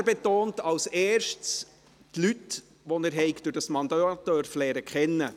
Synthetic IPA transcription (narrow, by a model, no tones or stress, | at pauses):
æɾbet̪oːntɑwseːɾʃts | tlyt | ʋɔnəɾɦɛɪɡd̥ʊɾd̥ɑsmɑnd̪øt̪œɾflɛːɾəkχɛnːə